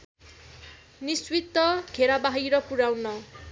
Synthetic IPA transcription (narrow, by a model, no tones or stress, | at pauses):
niswit̪ːʌɡʱeɾabaɦijɾʌpuɾawnʌ